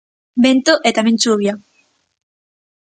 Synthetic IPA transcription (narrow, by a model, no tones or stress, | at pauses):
bẽnt̪oʔet̪amẽnt͡ʃuβja